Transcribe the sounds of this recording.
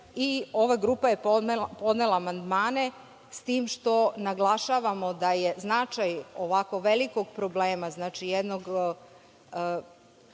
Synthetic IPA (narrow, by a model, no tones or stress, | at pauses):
io̞ʋaɡɾuːpajeppo̞d̪nelˠaːmand̪maːne̞ | st̪iːmʃt̪o̞naɡlˠaʃaːʋamo̞d̪aje̞znat͡ʃajo̞ʋako̞ʋeliko̞ɡpɾo̞bleːmaznaːt͡ʃijed̪noɡ